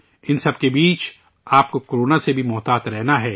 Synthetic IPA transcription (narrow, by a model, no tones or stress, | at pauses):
ɪnsɐb̚kebiːt͡ʃ | aːp̚kokoɾoːnasebʱimɔːt̪aːt̪ɾɛɦnaɦɛː